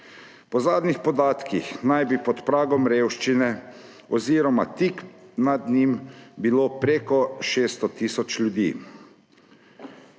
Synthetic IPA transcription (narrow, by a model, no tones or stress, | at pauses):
pɔzaːd̪nixpɔd̪aːt̪kixnajbipɔt̪pɾaːɡɔmɾeːwʃt͡ʃinɛ | ɔziːɾɔma̰t̪iknad̪nimbiloːpɾeːkɔʃest̪ɔt̪iːsɔt͡ʃlʲjud̪ḭː